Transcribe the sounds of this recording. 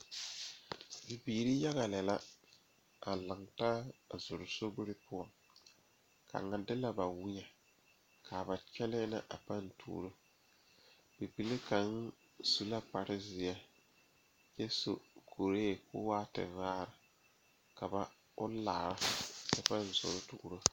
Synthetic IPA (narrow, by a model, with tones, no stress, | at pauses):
bi˨biː˨ɾi˦ja˦ɣa˨lɛ˨la˦ | a˨lɨ˨ŋta˦˨zʊ˨ɾʊ˨so˦ɡʊ˦ɾɪ˦pʊ˦a˨ŋ | ka̰˨ŋa˨dɪ˦la˦ba˨wi˦ɲa˨ | ka˨ba˨t͡ʃɛ˦lɛ˦nɪ̰˦ʔa̰˨pa˦n˦tʰṵː˨ɾɨ˦ | bi˨bi˨lɪ˦ka˨n˦ | su˨la˦pa˨ɾɪ˦zɪ˨jɛ˦ | je˦so̰˨ko˨ɾeː˦˨kʊ̰ː˦waː˦tɨ̰˨vaː˦ɾɨ˨ | ka˨ba˨ | ʊ˦la̰ː˨ɾa˦sɛ˦pa˦n˨zʊ̰˨ɾʊ˦tu˨ɡʊ˨ɾo˦